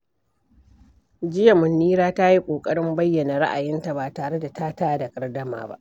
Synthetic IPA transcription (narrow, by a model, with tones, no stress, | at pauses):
d͡ʒɪ˦ja˨mʊ˨nːiː˦ɾaː˦ta˦ji˦kʷʼoː˨kʼɐ˦ɽɪ˦mbɐ˦jːɐ˨na˨ɽa̰˦ʔa˨jɪ˦nta˨baː˨taː˨ɽe˦da˨taː˦taː˦da˨kʼɐ˨rdɐ˦ma̰ː˨ba̰˦ʔ